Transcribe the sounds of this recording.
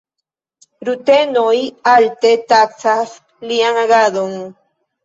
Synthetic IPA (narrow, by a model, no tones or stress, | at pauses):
ɾut̪enojalt̪et̪at͡sas | liaŋaɡad̪oŋ